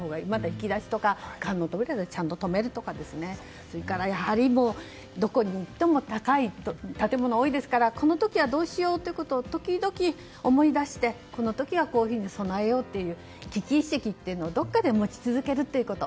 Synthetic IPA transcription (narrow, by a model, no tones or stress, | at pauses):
hoːɡaimad̪açi̥kʲid̪aɕi̥t̪o̞kakãnːoːt̪obeɾed̪t͡ɕãnt̪ot̪o̞me̞ɾɯ̟t̪o̞kad̪e̞sɨne̞ | soɾekaɾajahaɾʲimo̞ː | d̪o̞ko̞ɲ̟iːt̪ːe̞mo̞t̪akait̪ot̪at̪e̞mo̞nooːid̪e̞sɨ̥kaɾako̞no̞t̪o̞kʲiβad̪o̞ːɕijo̞ːt̪ːo̞iɯ̟ko̞t̪o̞ːt̪o̞kʲid̪o̞kʲi | o̞mo̞id̪aɕi̥t̪e̞ | ko̞no̞t̪o̞kʲiɡako̞ːçiːɲ̟iso̞nae̞jo̞ːt̪ːe̞jɯ̟ː | kʲikʲiːɕekʲit̪ːe̞iɯ̟no̞ːd̪o̞kːad̪e̞mo̞t͡ɕi̥t͡sɨzɨke̞ɾɯ̟t̪ːe̞iɯ̟ko̞t̪o̞